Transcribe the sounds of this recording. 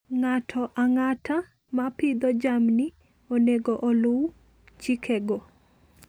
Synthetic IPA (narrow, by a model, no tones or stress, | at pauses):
ŋatʰɔʔaŋatʰa | mapɪd̪ɔd͡ʒamni | oneɡɔʔɔlʊw | t͡ʃikʰɛɡɔ